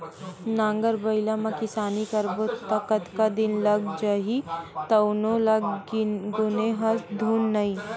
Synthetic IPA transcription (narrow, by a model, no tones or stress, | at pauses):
nãːŋɡəɾbɐɪlamãkɪsaːnikɐɾbot̪ɐkət̪kad̪ɪnlɐɡd͡ʒɐɦit̪ɐʊnolɐɡɡʊneɦɐsd̪ʱuːnːɐi